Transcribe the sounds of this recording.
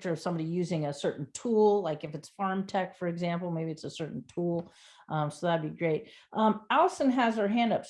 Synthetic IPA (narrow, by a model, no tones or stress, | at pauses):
t͡ʃə˞ʌv̥sʌ̃mbɑɾijʉzɪ̃ŋɨsɜ˞ʔn̩tʰulˠlaɪkɨfɨtsfɑɹmtʰɛkfə˞ɨɡzæ̃mpl̩ˠmeɪbiɨtsəsɜ˞ʔn̩tʰulˠ | ʔʌ̃soʊðɨtd̚biɡɹeɪt̚ʔʌ̃mælˠəsə̃nɨzə˞ɦæ̃ndʌps